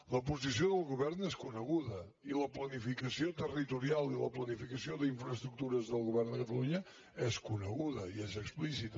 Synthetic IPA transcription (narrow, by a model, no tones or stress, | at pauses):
ləpuzisioðəlˠɣuβɛɾnɛskunəɣuðə | iləplənifikəsiot̪ərit̪uɾialˠiləplənifikəsioðəiɱfɾəst̪ɾuk̚t̪uɾəzðəlˠɣuβɛɾnd̪əkət̪əluɲə | ɛskunəɣuðəiɛzəksplisit̪